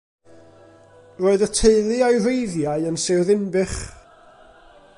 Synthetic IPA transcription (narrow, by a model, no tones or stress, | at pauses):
roːɨðətʰeɨlˠɨajrejðjaɨənsɛwðɪnbɨχ